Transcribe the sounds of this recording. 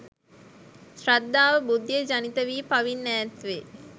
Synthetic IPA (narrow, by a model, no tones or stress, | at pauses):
sɾad̪ːaːʋəbud̪ːijəd͡ʒanit̪əʋiːpaʋinːæːt̪ʋe